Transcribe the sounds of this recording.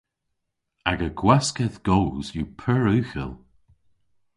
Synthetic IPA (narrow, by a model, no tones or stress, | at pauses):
aɡəɡ̥waskəðɡ̥oːzjupʰəɹʉːxə̰lˠ